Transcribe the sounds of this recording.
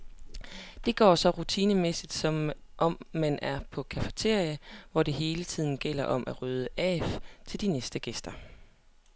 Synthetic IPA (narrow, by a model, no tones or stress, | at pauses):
d̥e̝ɡ̥ɒ̰ːsɒ̽ʁut͡sʰiːnəmesid̥sɒ̽m | ʔɒ̽mːænʔæɐpʰɒ̽kʰæfə̥t͡sʰe̝ɐ̰iəʋɒd̥e̝ɦe̝ːlət͡sʰið̞̰ˠn̩ɡ̥el̰ɐʔɒ̽mʔæʁøːð̞ˠəʔɛ̰ːft͡sʰe̝ld̥inesd̥əɡ̥esd̥ɐ